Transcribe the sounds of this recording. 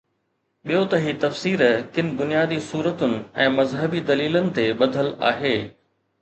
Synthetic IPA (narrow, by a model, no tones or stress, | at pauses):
ɓijot̪ɐɦiːt̪ɐfsiːɾkɪnɪ̆bʊnijaːd̪isuːɾət̪ʊnɪ̆ɛ̃ːmɐzɦəbid̪ɐliːlənɪ̆t̪eɓɐd̪ʱəla̰ːɦeː